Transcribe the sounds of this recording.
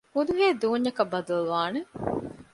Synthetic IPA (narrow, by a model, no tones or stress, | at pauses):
ud̪uɦeːd̪uːɲːɐkɐbːɐd̪ɐluʋaːne